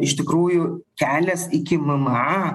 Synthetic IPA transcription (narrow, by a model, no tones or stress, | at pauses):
ɪʃʲt̪ʲɪkɾuːjʊkʲæːlʲɛsɪkʲɪmɐmɑ